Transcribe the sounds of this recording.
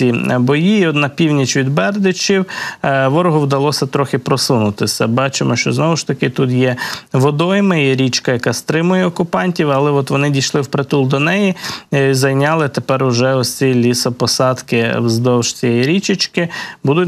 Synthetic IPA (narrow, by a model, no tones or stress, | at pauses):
ibɔjiːɔt̪nɐpʲiwnʲit͡ʃʋʲid̪bɛrd̪ɪt͡ʃʲiwʋɔɾɔɦʊwd̪ɐlˠɔsʲɐt̪ɾɔxɪpɾɔsunʊt̪ɪsʲɐbɑt͡ʃɪmɔʃt͡ʃɔznɔʋʊʃt̪ɐkɪt̪ut̪jɛʋɔd̪ɔjmɪjiɾʲit͡ʃkɐjɐkɑst̪ɾɪmʊjɛɔkʊpɑnʲtʲiwɐlˠɛɔt̪ʋɔnɪdʲijʃlˠɪwpɾet̪ulˠd̪ɔnɛjizɐjnʲɑlˠɪt̪epɛrʊʒɛɔsʲt͡sʲilʲisɔpɔsɑd̪kɪwzd̪ɔwʃt͡sʲijɛjiɾʲit͡ʃɪt͡ʃkɪbud̪ʊtʲ